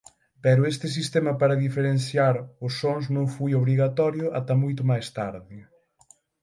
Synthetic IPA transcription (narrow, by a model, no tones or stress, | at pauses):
pɛɾʊest̪ɪs̬ist̪ɛmɐpaɾɐðifeɾenθjaɾʊsːoŋznõŋfojoβɾiɣat̪ɔɾjʊʔat̪amojt̪̬ʊmajst̪aɾðɪ